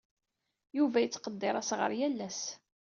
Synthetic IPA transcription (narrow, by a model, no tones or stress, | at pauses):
juvæjət͡sːqəd̪ːeɾˤæsʁə̰ɾjælːæs